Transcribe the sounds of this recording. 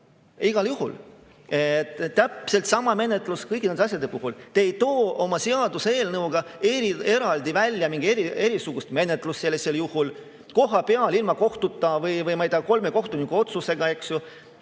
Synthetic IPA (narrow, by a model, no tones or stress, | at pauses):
iɡ̥ɑljuhṵl | et̪ˑːæpse̞lt̪sɑmɑme̞ne̞t̪ːˑluskɤjkined̪eɑs̬ʲjɑd̪e̞puɦult̪eːjt̪o̞ːo̞mɑse̞ɑd̪usee̞ːlnɤwɡ̥ɑeɾie̞ɾɑld̪̥ivælʲːjɑmiŋɡ̥ie̞ɾie̞ɾisuɡ̥ust̪me̞ne̞t̪ːˑlust̪se̞lːeseljuhul | ko̞ɦɑpeɑlilmɑko̞ht̪ut̪ːˑɑvɯjvɯjmɑjd̪ɑko̞lme̞ko̞ht̪unikːuo̞t̪suse̞ɡ̥ɑe̞ksju